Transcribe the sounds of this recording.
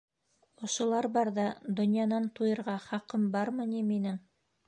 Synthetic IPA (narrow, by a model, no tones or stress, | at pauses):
ŏʃŏlˠɑɾbɑɾðɑd̪ŏnjɑnɑnt̪ujɤ̆ɾʁɑχɑqɤmbɑɾmɤniminɘŋ